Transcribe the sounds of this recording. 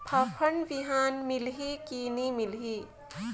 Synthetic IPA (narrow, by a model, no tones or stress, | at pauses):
pʰapʰəɳʋiɦaːnmɪlɦikiːnimɪlɦiː